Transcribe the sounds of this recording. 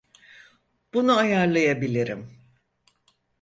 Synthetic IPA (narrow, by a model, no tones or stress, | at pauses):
b̥unuajaɾlˠajabilʲiɾḭm